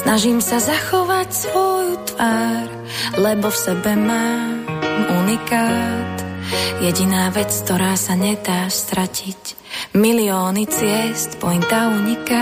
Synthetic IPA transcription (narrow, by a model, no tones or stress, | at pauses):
snaʒiːmsazaxɔʋacsʋɔjt̪ʋaːɾ | lɛbɔfsɛbɛmaː | unikaːt̪jɛɟinaːʋɛt͡sk̚t̪ɔɾaːsaɲɛd̪aːst̪ɾacʰic | miliɔːnit͡sɪɛst̪pɔjint̪aːuɲika